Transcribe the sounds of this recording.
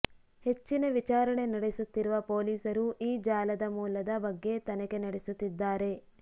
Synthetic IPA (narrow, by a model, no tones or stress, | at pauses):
he̞t͡ʃːinɐʋit͡ʃaːɾɐɳe̞nɐɽesut̪ːiɾuʋɐpo̞ːliːsɐɾuʔiːd͡ʒaːlɐd̪ɐmuːlɐd̪ɐbɐɡːe̞t̪ɐnɐke̞nɐɽesut̪ːid̪ːaːɾe̞